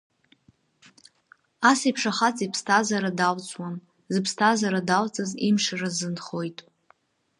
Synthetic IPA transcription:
asipʰʂaχat͡sʼipʰstʰazaɾadalt͡sʼwan | zɨpʰstʰazaɾadalt͡sʼazimʂarazɨnχo̞jtʼ

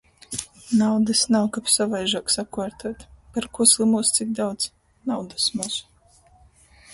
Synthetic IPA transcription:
nawd̪ɨsnawkapsavajʒaːksakuaɾt̪ʰaːt̪paɾkuɔslˠimuɔst̪sik̚d̪awd̪z̥ | nawd̪asmus

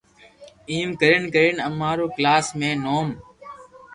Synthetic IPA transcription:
iːmkəɾənkəɾinəmːaːɾoːklaːsmẽːnoːm

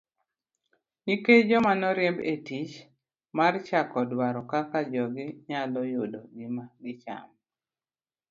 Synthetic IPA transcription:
niked͡ʒɔmanɔɾjɛmbetit͡ʃ | mart͡ʃakɔdwaɾɔkakad͡ʒɔɡɪɲalɔjodɔɡimaɡɪt͡ʃa̰m

